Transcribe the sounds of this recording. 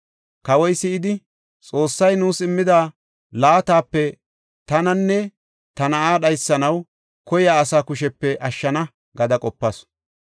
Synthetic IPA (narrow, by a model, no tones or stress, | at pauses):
kɐwɔjsɪɪd̪ɪ | t͡sʼoːsːɐjnuːsɪmːɪd̪aː | laːt̪aːpːɛ | t̪ɐnɐnːɛ | t̪ɐnɐʔaːɗɐjsːɐnɐw | kɔjaːsaːkʊʃɛpːɛʔɐʃːɐnɐ | ɡɐd̪ɐkʼɔpːɐs